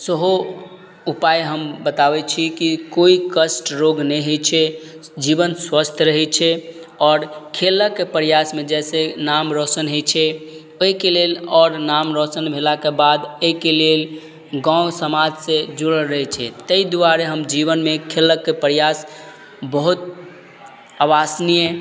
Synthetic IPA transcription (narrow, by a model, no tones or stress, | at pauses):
səɦo | upajɦəmbət̪abɛt͡ʃʰikikoikəsʈɾoɡnɛɦet͡ʃʰɛd͡ʒibənswəst̪ʰɾəɦɛt͡ʃʰɛ | ɔːɾkʰeləkːepəɾijasmed͡ʒɛsenamɾɔsənɦet͡ʃʰɛ | oɦikelelɔːɾnamɾɔsənbʱelakebad̪əikelel | ɡãsəmad͡ʒsẽd͡ʒuɽəlɾəɦɛt͡ʃʰɛ̰t̪əid̪uaɾeɦəmd͡ʒibənmekʰeləkːepəɾjas | bəɦut̪ | aʋasnije